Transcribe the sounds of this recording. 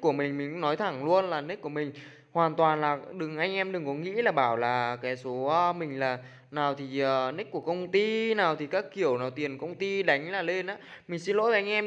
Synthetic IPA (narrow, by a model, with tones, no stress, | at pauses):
ku˧˩əmï˨˩ŋ̟mi˨˩ŋ̟˧˥nɔ˨˦jt̪ʰa˧˩ŋlu˧ənlaː˨˩ni˦˥kːu˧˩əmï˨˩ŋ̟ | hwaː˨˩nt̪waː˨˩nlaː˨˩ɗɨ˨˩ŋʔa˧jŋ̟ʔɛ˧mɗɨ˨˩ŋkɔ˨˦ŋḭ˧˥laː˨˩ɓaː˧˩wlaː˨˩kaː˨˦jso˨˦ə˧mï˨˩ŋ̟laː˨˩ | naː˨˩wt̪ʰi˨˩ʔəː˨˩ni˦˥k̚kːu˧˩əkə˧wŋ͡mt̪i˧naː˨˩wt̪ʰi˨˩kaː˦˥kːi˧˩əwnaː˨˩wt̪i˨˩ənkə˧wŋ͡mt̪i˧ɗa˨˦jŋ̟laː˨˩le˧nʔaː˨˦˥ | mï˨˩ŋ̟si˧nlo̰˧˥jvaː˨˩ʔa˧ŋ̟ʔɛ˧